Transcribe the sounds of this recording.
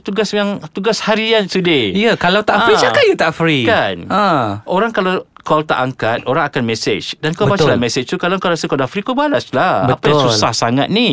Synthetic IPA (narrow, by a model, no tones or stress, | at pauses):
t̪uɡasjaŋt̪uɡashaɾiansudeijəkalawt̪aʔɾit͡ʃakajut̪aʔfɾikanãʔoɾaŋkala | kɔlt̪a̰ʔaŋkat̪̚ʔoɾaŋakanmɛ̃sḛt͡ʃdankabbat͡ʃalamɛsɪt͡ʃt̪ukalakalasəkadafɾikobalaslabəatpajãsulsahsaŋa̰t̪̚nĩ